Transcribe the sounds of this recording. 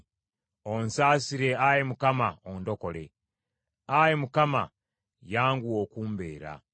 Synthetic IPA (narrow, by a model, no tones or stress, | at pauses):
onsaːsiɾe̞ajemukamaondo̞ko̞le̞̰ | ajemukama̰ | jaːŋɡuwo̞ːkuːmbe̞̰ːɾa̰